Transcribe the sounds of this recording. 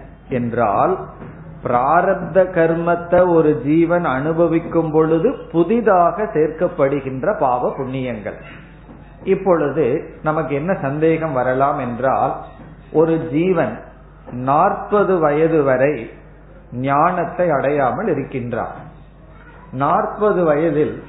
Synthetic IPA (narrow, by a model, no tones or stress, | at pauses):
ɛndra̰ːl | pɪɾaːɾɐd̪ɐɣɐɾmɐt̪ːɐɔɾɯd͡ʒiːʋɐnɐnɯbɐʋɪkːɯmpɔɭɯðɯpʊðɪðaːɣɐseːrkɐpːɐɽɯɣɪndrɐpaːʋɐpʊɳːɪjɐŋɡɐ̰ɭ | ɪpːɔɭɯðɯnɐmɐk̬ːɯɛnːɐsɐnd̪eːɣɐmʋɐɾɐlaːmɛndra̰ːl | ʔɔɾɯd͡ʒiːʋɐn | naːrpɐðɯʋɐjɐðɯʋɐɾɐɪ | nɪjaːɳɐt̪ːɐɪɐɽɐjaːmɐɭɪɾɯkːɪndra̰ːɾ | naːrpɐðɯʋɐjɐðɪl